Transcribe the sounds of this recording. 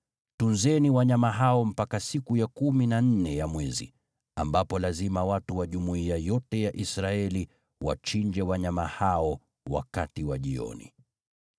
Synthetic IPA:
tunzɛniwaɲamaɦaɔm̩pakasikujakuminan̩nɛjamwɛzḭ | ambapɔlazimawatuwaʄumuiajɔtɛjaʔisɾaɛli | wa̰t͡ʃiɲd͡ʒɛwaɲamahaɔ | wa̰katiwaʄiɔ̰nḭ

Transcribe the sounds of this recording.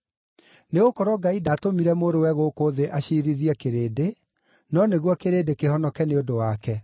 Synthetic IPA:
neɣokɔɾwɔɡaidaːtomiɾɛmoːɾowɛɣokoðeʔaɕiɾiðiɛkeɾede | nɔneɣwɔkeɾedekehɔnɔkɛneodowakɛ

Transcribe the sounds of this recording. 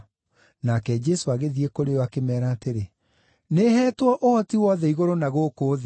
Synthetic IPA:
nakɛd͡ʒɛsoaɣeðiekoɾeɔakemɛːɾaːteɾe | neɦɛːtwɔʔohɔtiwɔðɛiɣoɾonaɣokoːð

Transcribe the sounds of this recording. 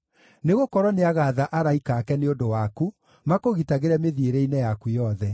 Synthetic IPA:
neɣokɔɾwɔneaɣaðaʔaɾaikaːkɛneodowaku | makoɣitaɣeɾɛmeðieɾɛinɛjakujɔðɛ

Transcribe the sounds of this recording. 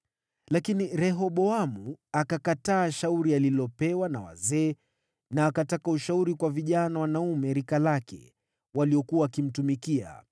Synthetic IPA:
lakiniɾɛɦɔɓɔamuakakataːʃauɾialilɔpɛwanawa̰zɛː | naːkatakauʃauɾikwaviʄanawanaumɛɾikalakɛ̰ | waliɔkuaːkim̩tumikia̰

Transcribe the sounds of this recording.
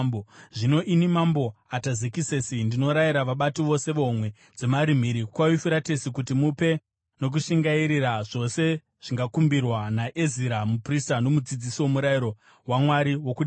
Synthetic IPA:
bʐino̞ʔinimambo̞atazekiseːsindino̞ɾaiɾaʋaɓatiʋo̞se̞ʋomwe̞ | d͡ze̞maɾim̤iːɾikwaifuɾatesikutimupe̞ | no̞k̬uʃiŋɡaiɾiraʐo̞se̞ | ʐ̥iŋɡakumbirwanaʔeziɾamupristano̞mud͡zid͡zisiwo̞muɾaiɾo̞ | wamwaɾiwo̞kuɗi

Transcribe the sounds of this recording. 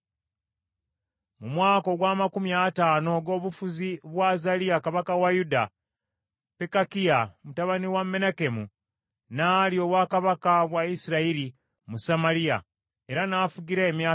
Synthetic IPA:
mumwaːko̞ɡwaːmakumjataːno̞ɡo̞ːβufuziβwazaliakaβakawajuda | pekakijamutaβaniwamːe̞nake̞mu | naːlio̞ːβwakaβakaβwaisiɾaiɾi | musamaɾija̰ | e̞ɾanafuɡiɾaemja

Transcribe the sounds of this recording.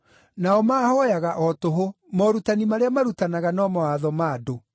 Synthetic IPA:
naɔmaːhɔjaɣaʔɔtoɦo | mɔɾutanimaɾeamaɾutanaɣanɔmɔaðɔmaːdo

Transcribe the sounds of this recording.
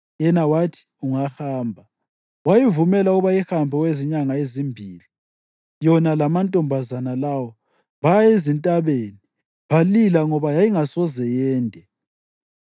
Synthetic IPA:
jɛnawatʰi̥uŋahaːmbʱa | wajivumɛlauβajihambʱɔweziɲaŋaezimbʱiːli | jɔnalamantʼɔmbʱazanalawɔ | βajaezintʼaβeni | βalilaŋɔβajajiŋasɔzɛjɛːndʱʼɛ

